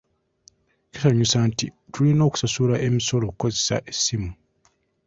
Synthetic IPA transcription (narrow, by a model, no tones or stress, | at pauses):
kesaɲusaːntḭtʰulino̞ːku̥sasulaʔe̞miso̞lo̞kuko̞zesa̰ʔesːimu